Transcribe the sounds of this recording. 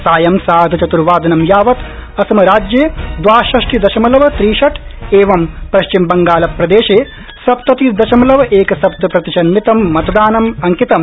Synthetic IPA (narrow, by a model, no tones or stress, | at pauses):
saːjɐmsaːɦd̪ʱɐt͡ʃɐt̪uɾʋaːd̪ɐnɐmjaːʋɐt̪ɐsɐmɐɾaːd͡ʒjeːd̪ʋaːʃɐʂʈid̪ɐʃɐmɐlɐʋɐt̪ɾiːʃɐʈeːʋɐmpɐʃt͡ʃimbɐŋɡaːlɐpɾɐd̪eːʃeː | sɐpt̪ɐt̪id̪ɐʃɐmɐlɐʋɐʔeːkɐsɐp̚t̪ɐpɾɐt̪iʃɐnmit̪ɐmːɐt̪ɐd̪aːnɐmɐŋkit̪ɐm